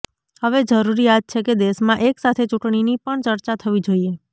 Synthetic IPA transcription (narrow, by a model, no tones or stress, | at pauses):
həʋed͡ʒəɾuɾiat̪̚t͡ʃʰeked̪eʃmãʔeksat̪ʰet͡ʃuʈɳinipəɳt͡ʃəɾt͡ʃat̪ʰəʋid͡ʒoie